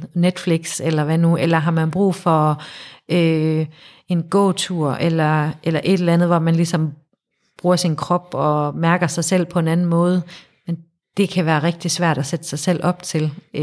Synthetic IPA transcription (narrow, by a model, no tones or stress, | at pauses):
ned̥fliɡ̥selɐʋænuʔelɐɦɑ̈mænb̥ʁṵːfɒ̽ʔø | e̝nɡ̥ɔ̰ʊt͡sʰuɐ̰ʔelɐʔelɐʔe̝d̥elænð̞̩ˠʋɒmænlisɒ̽m | b̥ʁuːɐsinkʰʁɒ̽b̥ɒ̽mæɐɡ̥ɐsɑ̈ɪsel̰pʰɒ̽e̝nænn̩mɔ̽ːð̞̩ˠ | men | d̥e̝kʰæʋæːɐʁɛɡ̥̚d̥isʋæɐ̰ɾ̥æsed̥ə̥sɑ̈ɪsel̰ʔɒ̽b̥̚t͡sʰe̝l